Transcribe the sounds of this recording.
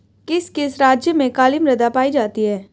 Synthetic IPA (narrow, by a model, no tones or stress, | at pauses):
kɪskeːsɾaːd͡ʒjəmẽkaːlɪmɾɐd̪apaːid͡ʒaːt̪iɦɛː